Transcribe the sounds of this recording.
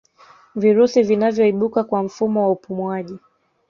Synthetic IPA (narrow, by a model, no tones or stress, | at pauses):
viɾusivinavjɔiɓukakwam̩fumɔwaupumwaʄi